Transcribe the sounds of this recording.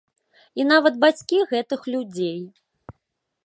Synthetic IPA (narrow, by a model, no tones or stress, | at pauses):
inavɐd̪̚bat͡sʲkʲiɣɛt̪ɨxlʲud͡zʲej